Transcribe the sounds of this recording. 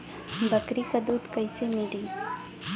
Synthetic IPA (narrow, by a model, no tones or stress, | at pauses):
bɐkɾikad̪ut̪kajsemiɖi